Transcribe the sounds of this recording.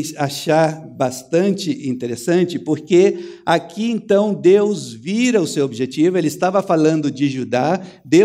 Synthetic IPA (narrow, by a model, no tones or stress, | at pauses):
aʃaɾbast̪ɐ̃nt͡ʃɪʔĩnt̪eɾesɐ̃nt͡ʃɪpoɾkeakʰiẽnt̪ɐ̃w̃d̪ewzviɾɐʊsewobiʒet͡ʃivʊelɪst̪avɐfalɐ̃nd̪ʊd͡ʒɪʒud̪a | d̪e